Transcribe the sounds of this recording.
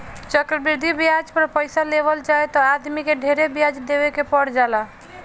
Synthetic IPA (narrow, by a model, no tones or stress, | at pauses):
t͡ʃəkɾbiɾd̪ʱibijad͡ʒpəɾpəjsaleβəld͡ʒajt̪ɔad̪mikeɖʱeɾebijad͡ʒd̪ebekepəɽd͡ʒala